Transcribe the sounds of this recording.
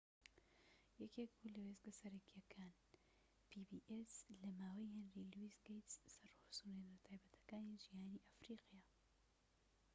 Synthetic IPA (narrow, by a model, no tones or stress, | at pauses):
jɛkʰek̚bulɐwezɡɐsɐɾɐkʰijɐkʰaːn | pʰibiːʔeslɐmaːwɐjhenriluisɡejt̪ssɐrhosunenɐt̪ʰaːjbɐt̪ʰɐ̥kaːniʒijaːniːʔafɾiːqjaː